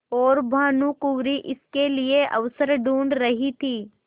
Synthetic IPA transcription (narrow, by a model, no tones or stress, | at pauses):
ɔːɾbʱaːnukuːɾiʔɪskelieʔɐ̰ʋsəɾɖuːɳɖɾɐɦit̪ʰiː